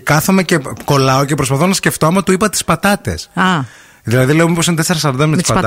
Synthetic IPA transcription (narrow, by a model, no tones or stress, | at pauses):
kɐθomeceko̞lɐocepɾo̞spɐθonɐsce̞ft̪oɐmɐt̪uipɐt̪i̥spɐt̪ɐt̪e̞̰sɐ | ðilɐðile̞omiposint̪eseɾɐs̬ɐɾod̪ɐmet̪sɐ